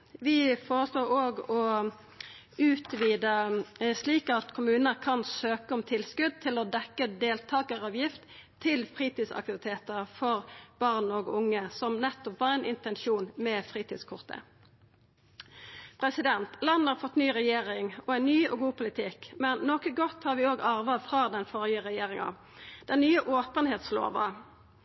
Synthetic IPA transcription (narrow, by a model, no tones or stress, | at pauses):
ʋɪfoːʁəsloːʁoːɡɔ | ʉːt̪ʋiːd̪əsliːkɑt̪kʰʊmʉːnəkʰɑnsøːkəɔmt̪ʰɪlskʉd̪̚t̪ʰɪlɔd̪ɛkːəd̪eːlt̪ʰɑːɡəʁɑːʋjɪft̪t̪ʰːɪlfʁiːt̪ɪsɑ̰k̚t̪ɪʋɪt̪ʰeːt̪əʁfɔʁb̥ɑʁnɔɡʊŋːəsɔmnɛt̪ːɔpʋɑːʁæɛɪnʔɪ̰nt̪ɛnʃuːnmɛfʁiːt̪ɪːd̪skʰʊʁt̪ʰə̰ | pʰʁɛsɪd̪ɛnt̪lɑnːəɑʁfɔt̪ːnyːʁɛjeːʁɪŋɔæɪnnyːɔɡuːpʰʊlɪt̪ʰɪkmɛnnɔkəɡɔt̪hɑʁʋɪoːɡɑʁʋɑfʁɑːd̪ɛnfɔʁɪəʁɛjeːʁɪŋɑ̰ | d̪̥ɛnnyːəʔoːpənheːt̪slo̰ːʋə̰